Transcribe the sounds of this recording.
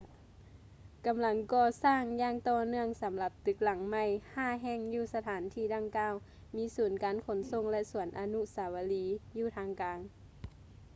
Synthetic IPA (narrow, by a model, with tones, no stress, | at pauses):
ka˨˦mla˧˦ŋkɔː˧˩saː˧˥˩ŋjaː˧ŋt̪ɔː˧˩nɯ˧˩əŋsa˨˦mla˧˦p̚t̪ɯ˧˦k̚la˨˩˦ŋma˧˩jhaː˧˩ɦɛː˧˩ŋjuː˧˩sa˧t̪ʰaː˨˦nt̪ʰiː˧˩da˧ŋkaː˧˨w | miː˧˥suː˨˩˦nkaː˨˦nkʰo˩˦nso˧˨ŋlɛ˧˥ʔsu˨˩˦ənʔa˨˧˦nu˧˥saː˨˩˦wa˧liː˨˧˦juː˧˩t̪ʰaː˧˥ŋkaː˨˦ŋ